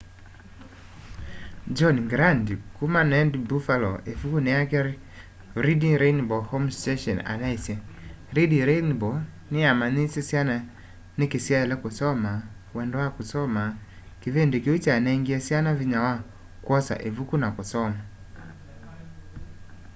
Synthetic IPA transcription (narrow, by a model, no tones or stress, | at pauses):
d͡ʒɔnɡɾandkumanɛndbufalɔ̰ʔevukunɪjakɛɾ | ɾidiɾenbɔhɔmstɛʃɔna̰naisjɛ | ɾidiɾenbɔ | nɪamanisɛsjana | nɪkesjaɛlɛkʊsɔma | wɛndɔakʊsɔma | kɪvendekeut͡ʃaanaiŋɡiɛsianaviɲawa | kwɔsa̰ʔevukunakʊsɔma